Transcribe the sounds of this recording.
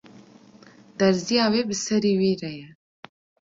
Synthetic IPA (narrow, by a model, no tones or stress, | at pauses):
d̪̥ɐɾzijɑwebəsɐɾiwiɾaja